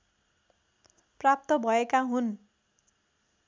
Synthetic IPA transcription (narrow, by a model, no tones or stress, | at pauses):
prap̚t̪ʌbʱʌekaɦun